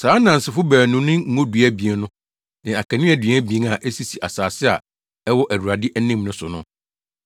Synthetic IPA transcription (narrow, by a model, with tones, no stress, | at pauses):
saː˨˦nã˨n̩˨sɪ˨fʊ˦bæː˨nʊ̃˦nʊ̃˦ŋ̩˦õ˦du˨æ˦bi˨e˨˦nʊ̃˦ | nɪ̃˨a˨kʰɛ̃˨nɪ̃˦æ˦˨dɥæ˦bi˨ẽ˦na˨ʔɛ˦si˨si˨ʔa˨saː˨sɪ˦a̰˨ | ɛ˦wɔ˦ʔæ˨wu˨ɾa˨dɪ˦ʔæ˦nĩ˦mnʊ̃˦sʊ˨nʊ̃˦